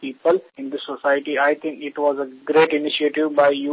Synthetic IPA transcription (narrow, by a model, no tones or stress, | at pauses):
piːpəlɪ̃nd̪isosaɪʈiaɪt̪ʰɪ̃ŋkɪʈʋɔːzəɡɾeːʈɪnɪʃieʈɪʋbaɪju